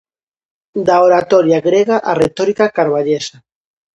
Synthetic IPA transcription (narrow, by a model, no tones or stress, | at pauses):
d̪aoɾat̪oɾjaɣɾeɣaʔaret̪oɾikakaɾβaʎesa